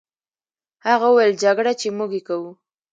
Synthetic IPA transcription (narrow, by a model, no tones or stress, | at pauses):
haɣauwajld͡ʒaɡɽat͡ʃemuɡekawu